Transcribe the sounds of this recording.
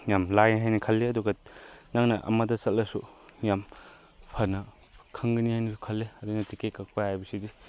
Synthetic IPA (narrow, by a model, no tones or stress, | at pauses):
jamlajɦajnɐkʰɐlːeɐduɡɐnaŋnɐʔɐ̰mɐdɐsɐt̚lɐsujam | pʰɐnɐ | kʰɐŋɡɐnihajnɐsu̥kʰɐlːeɐdinɐtikekak̚pɐjajbɐsidi